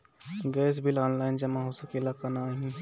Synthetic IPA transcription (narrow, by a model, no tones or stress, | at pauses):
ɡɛːs̬bʱilɔːnlaːɪnd͡ʒɐmãɦosakelakanaɦĩ